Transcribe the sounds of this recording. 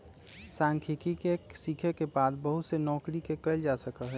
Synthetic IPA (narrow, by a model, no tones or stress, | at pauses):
sãŋkʰikikesikʰekebaːd̪bəɦut̪senɔːkɾikekəld͡ʒasəkəɦɛː